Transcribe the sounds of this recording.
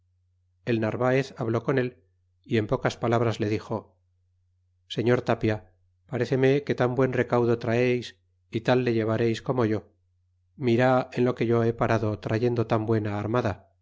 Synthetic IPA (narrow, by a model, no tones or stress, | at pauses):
e̞lnaɾβae̞θaβlo̞ko̞ne̞l | ie̞mpo̞kaspalaβɾazle̞ðixo̞ | se̞ɲo̞ɾt̪apja | paɾe̞θe̞me̞ke̞t̪ambwe̞nre̞kawðo̞t̪ɾaejs | it̪alːe̞ʝe̞β̞aɾe̞jsko̞mo̞ʝo̞ | miɾae̞nlo̞ke̞ʝo̞e̞paɾaðo̞t̪ɾaʝe̞nd̪o̞t̪ambwe̞naːɾmaða